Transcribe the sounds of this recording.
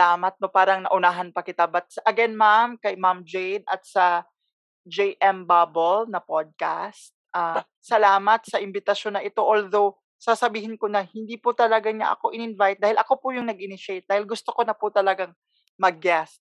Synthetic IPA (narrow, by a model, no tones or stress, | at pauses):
aːmɐt̪̚nopaːɾɐŋnɐ̰ʔʊnaːɦɐnpɐkɪt̪abɐt̪̚sɐʔɐɡɛnmamkɐjmamd͡ʒɛjnʔɐt̪̚sɐ | d͡ʒejʔɛmbabolnɐpod̪̚ka̰st̪̚ʔaː | sɐlaːmɐt̪̚sɐʔɪmbɪt̪ɐʃjonːɐʔɪt̪o̞ʔold̪o̞w | sasɐbiːhɪnko̞nɐhɪnd̪iːpʊt̪ɐlɐɡaɲa̰ʔɐ̰ko̞ʔɪnɪnvajt̪̚d̪aːhɪlʔɐko̞pʊjʊŋnɐɡʔɪnɪʃɛjt̪̚d̪aːhɪlɡʊst̪okonɐpʊt̪ɐlɐɡaŋ | mɐɡ̚ːɛst̪̚